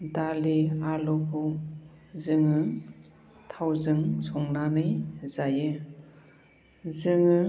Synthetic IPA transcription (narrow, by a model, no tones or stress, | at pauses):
dalialɔkʰɔ | zɯŋɯ | tʰawzɯŋsɔŋnanɯjzajɯ | zɯŋɯ